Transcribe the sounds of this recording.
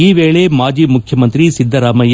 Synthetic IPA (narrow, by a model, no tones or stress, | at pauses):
iːʋeːɭemaːd͡ʒiːmukʰjɐmɐnt̪ɾisid̪ʱːɐɾaːmɐj